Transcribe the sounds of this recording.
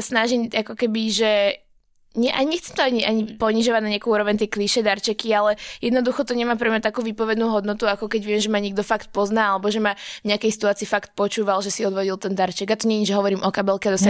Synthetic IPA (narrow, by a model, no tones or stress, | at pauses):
asnaʒiɲʔakɔkɛbiʒɛ | ɲɛʔaɲɛxt͡sɛmt̪ɔaɲiʔaɲipɔɲiʒɔʋaɟnaɲɪakuuːɾɔʋɛɲt̪ɛkliʃɛd̪aɾt͡ʃɛkialɛjɛd̪nɔd̪uxɔt̪ɔɲɛmaːpɾɛmɲat̪akuːʋiːpɔʋɛd̪nuːɦɔd̪nɔt̪uakɔkɛɟʋɪɛmʒɛmaɲɛɡ̚d̪ɔfakt̪̚pɔznaːalɛbɔʒɛmavɲɛakɛjsi̥t̪uaːt͡siːfakt̪̚pɔt͡ʃuːʋalʒɛsiɔd̪ʋɔɟilˠt̪ɛnd̪aɾt͡ʃɛɡat̪ɔɲɛɲiʒɛɦɔʋɔɾiːmʔɔkabɛlkɛad̪ɔsa